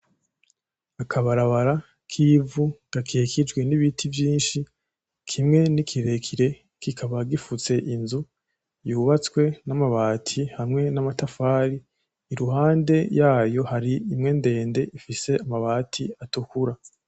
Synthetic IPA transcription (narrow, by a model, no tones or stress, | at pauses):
akʰaβaɾaβaɾa | kʰivuɡ̥akʰeːkʰid͡ʒɡwe̞niβitʰivjiːnʃi | kʰimŋe̞nikʰiɾe̞kʰiɾe̞ | kikʰaβaɡifut͡se̞ʔinzu | juβat͡skwe̞namaβaːtʰihamŋe̞namatafaːɾiː | ɾuɦaːnde̞jaːjo̞haɾiimŋe̞nde̞ːnde̞ʔifise̞amaβaːtʰiatukuɾa